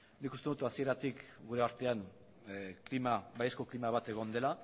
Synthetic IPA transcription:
nikust̪enut̪uasie̞ɾat̪ikɡuɾe̞aɾt̪e̞aŋ | klimaβajesko̞klimaβat̪e̞ɣ̞o̞nd̪e̞la

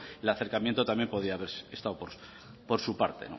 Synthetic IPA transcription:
elaθe̞ɾkamjent̪o̞t̪amje̞mpo̞ð̞iaːβe̞ɾest̪awpoɾ | po̞ɾsupa̰ɾt̪e̞̰no̰

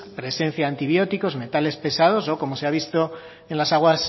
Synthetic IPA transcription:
pɾe̞sẽ̞n̟θjaːnt̪iβjo̞t̪iko̞zme̞t̪ale̞spe̞sað̞o̞so̞ko̞mo̞seaβist̪o̞ | enlasaɣ̞was

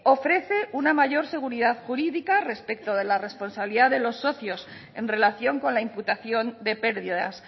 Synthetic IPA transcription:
o̞fɾe̞θe̞ʔunamaʝo̞ɾse̞ɣ̞uɾiðaðxuɾiðikare̞spe̞kt̪o̞ð̞e̞lare̞spo̞nsaβiliðaðe̞lo̞sːo̞θjo̞s | e̞nre̞laθjo̞ŋko̞nlaimput̪aθjo̞nd̪e̞pe̞ɾðiða̰s

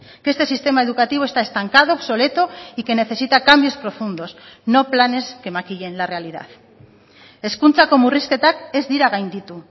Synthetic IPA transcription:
ke̞st̪e̞sist̪e̞maeð̞ukat̪iβet̪ae̞st̪aŋkað̞oaβso̞le̞t̪oike̞ne̞θe̞sit̪akambjo̞spɾo̞fund̪o̞sno̞plane̞ske̞makiʎe̞nlare̞aliða̰ð | e̞skunt͡sako̞muriske̞t̪ake̞zd̪iɾaɣajnd̪it̪u

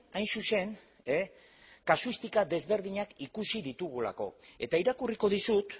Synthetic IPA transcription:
ajnsuse̞n | e | kasuist̪ikad̪e̞zβe̞ɾðiɲakikusiðit̪uɣ̞ula̰ko̞e̞̰t̪aiɾakuriko̞ðisut̪

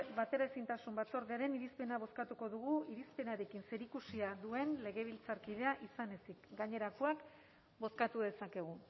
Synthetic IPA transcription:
βat̪e̞ɾaesint̪asumbat͡so̞ɾðiaɾe̞niɾispe̞naβ̞o̞skat̪uko̞ðuɣuiɾispe̞naɾe̞kinse̞ɾikusiaðue̞nle̞ɣe̞β̞ilt͡saɾkið̞e̞aʔisane̞sikɡaɲe̞ɾakoak | bo̞skat̪uðe̞sake̞ɣ̞u

